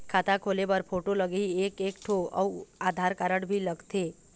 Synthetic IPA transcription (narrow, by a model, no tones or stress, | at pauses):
kʰaːt̪akʰoːlepəɾpʰoːʈoləɡeieːkeːkʈʰoɔ̰aːd̪ʱaːɾkaɾəɽbʱilɐɡt̪eː